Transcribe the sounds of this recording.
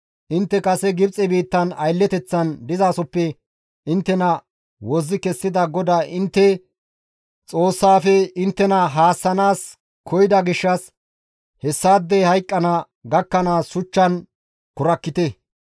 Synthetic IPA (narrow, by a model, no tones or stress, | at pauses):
ʔɪnt̪ːɛkʼɐsɛɡɪbt͡sʼɛbiːt̪ːɐnɐjlːɛt̪ɛt͡sːɐnd̪ɪzaːsɔpːɛ | ʔɪnt̪ːɛnɐ | wɔzːɪkɛsːɪd̪ɐɡɔd̪aːʔɪnt̪ːɛ | t͡sʼoːsːaːfɛɪnt̪ːɛnɐɦaːsːɐnaːs | kʰɔjɪd̪ɐɡɪʃːɐs | hɛsːaːd̪ːɛhɐjkʼːɐnɐ | ɡɐkːɐnaːsʊt͡ʃːɐn | kʊɾɐkːɪt̪ɛ